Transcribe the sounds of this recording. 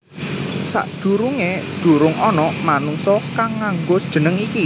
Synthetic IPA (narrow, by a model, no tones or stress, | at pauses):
sa̰ʔd̪̥ṳɾuŋed̪̥ṳɾʊŋɔnɔmanuŋsɔkaŋːaŋɡod̥ʒ̥ə̤nəŋiki